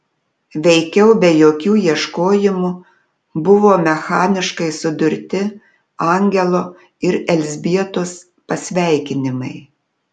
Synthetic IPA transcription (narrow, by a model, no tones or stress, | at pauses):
ʋʲɛɪkʲɛʊbʲɛjoːkʲuːjiɛʃkoːjɪmuː | bʊʋoːmʲɛxɑːnʲɪʃkɐɪsʊd̪ʊɾʲt̪ʲɪ | ɐˑŋʲɡʲɛlˠoː | ɪɾɛlʲzʲbʲiɛt̪oːs | pɐsʲʋʲæˑɪkʲɪnʲɪmɐɪ